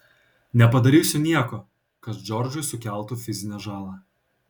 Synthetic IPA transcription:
nʲɛpɐd̪ɐɾʲiːsʲʊnʲiɛkoː | kɐt̪d͡ʒʲɔɾʲd͡ʒʲʊɪsʊkʲæˑlˠt̪uːfʲɪzʲɪnʲɛʒɑːlˠɑː

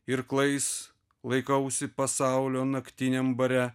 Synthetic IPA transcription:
ɪɾklˠɐɪs | lˠɐɪkɐʊsʲɪpɐsɑˑʊlʲoːnɐkt̪ʲɪnʲɛmbɐɾʲɛ

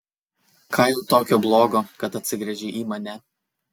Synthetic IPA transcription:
kʰɐɪlˠt̪oːkʲoːblˠoːɡoːkɐt̪ɐt̪ʲsʲɪɡɾʲɛʒʲiːʔiːmɐnʲɛ

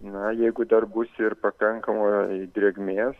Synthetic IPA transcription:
nɐjɛɪɡʊd̪ɐrbʊsɪrpɐkɐŋkɐmoːd̪ʲɾʲeːɡmʲeːs

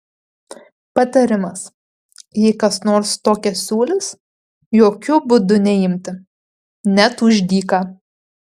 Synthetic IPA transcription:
pɐt̪ɐɾʲɪmɐs | jɛɪkɐsnoːɾst̪oːkʲɛsʲuːlʲɪs | joːkʲʊbʊd̪ʊnʲɛjɪmʲt̪ʲɪ | nʲɛt̪ʊʒʲd̪ʲiːkɑː

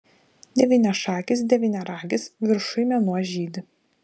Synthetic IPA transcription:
d̪ʲɛʋʲiːnʲɛʃɑːkʲɪs̬d̪ʲɛʋʲiːnʲɛɾɑːɡʲɪsʋʲɪɾʃʊɪmʲɛnuɔʒʲiːd̪ʲɪ

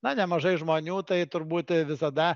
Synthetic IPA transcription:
nɐnʲɛmɐʒɐɪʒmoːnʲuːt̪ɐɪt̪ʊɾbuːt̪ʲʋʲɪsɐd̪ɐ

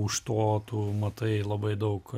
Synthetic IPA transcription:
ʊʃt̪oːt̪umɐt̪ɐɪlˠɐbɐɪd̪ɐʊk

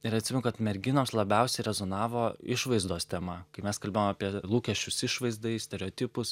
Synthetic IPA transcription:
ɪɾɐt̪sʲɪmɛnʊkɐt̪mʲɛɾʲɡʲɪnoːmslˠɐbʲɛʊsʲɛɪɾʲɛzonɑːʋoːɪʃʋɐɪzd̪oːst̪ʲɛmɐkɐɪmʲɛskɐlʲbʲeːjoːmapʲiɛlˠuːkʲɛʃʲt͡ʃʲʊsɪʃʋɐɪzd̪ɐɪsʲt̪ʲɛɾʲɛoːt̪ʲɪpʊs

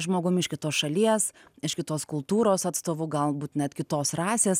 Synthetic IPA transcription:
ʒmoːɡʊmɪʃkʲɪt̪oːsʃɐlʲiɛsɪʃkʲɪt̪oːskʊlˠt̪uːɾoːsɑt̪st̪oːʋʊːɡɐlˠbuːt̪nʲɛt̪kʲɪt̪oːsrɑːsʲeːs

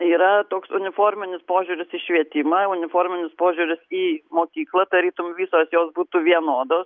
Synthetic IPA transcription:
iːɾɐt̪oːksʊnʲɪfoːɾʲmʲɪnʲɪspoːʒʲuːɾʲɪsiːʃʲʋʲiɛt̪ʲɪmɑʊnʲɪfoːɾʲmʲɪnʲɪspoːʒʲuːɾʲɪsiːmoːkʲiːklˠɐd̪ɐɾʲiːt̪ʊmʋʲiːsoːsjoːsbuːt̪uːʋʲiɛnoːd̪oːs

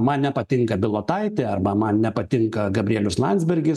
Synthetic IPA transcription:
mɐnnʲɛpɐt̪ʲɪŋkɐbʲɪlˠoːt̪ɐɪt̪ʲɪɐɾbɐmɐnnʲɛpɐt̪ʲɪŋkɐɡɐbʲɾʲiɛlʲʊslˠɐnʲd̪ʲzʲbʲɛrʲɡʲɪs

